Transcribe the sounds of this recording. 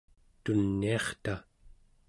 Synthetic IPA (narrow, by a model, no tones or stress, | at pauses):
t̪unːiɑχt̪a